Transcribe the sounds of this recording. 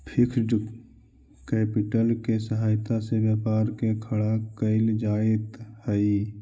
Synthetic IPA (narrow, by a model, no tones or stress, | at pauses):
pʰɪkʰɖ | kɛːpɪʈəlkesəɦaːjt̪asebjəːpaːɾkekʰəɽakəɪld͡ʒaːɪt̪həi